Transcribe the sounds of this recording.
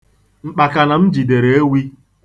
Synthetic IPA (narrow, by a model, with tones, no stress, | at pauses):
ŋ͡m̩˦k͡pa˨ka˨na˨m̩˦d͡ʒi˨de˨ɾe˨˦e˦wi˦